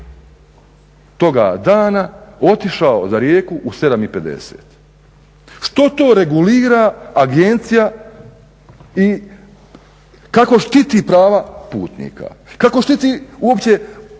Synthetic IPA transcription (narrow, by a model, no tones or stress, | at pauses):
t̪o̞ɡa̰ːd̪aːnao̞t̪iʃaozaɾje̞ːkuʔːse̞d̪amipe̞d̪ḛsḛːt̪ | ʃt̪o̞t̪o̞ːɾe̞ɡuliːɾaːɡe̞nt̪sija | i | kako̞ʃt̪it̪iːpɾaːʋapuːt̪nḭːka̰kako̞ʃt̪it̪iuo̞pt͡ɕe̞